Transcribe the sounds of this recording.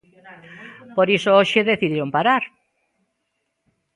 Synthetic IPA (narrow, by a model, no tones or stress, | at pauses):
poɾisooʃeðeθiðiɾompaɾaɾ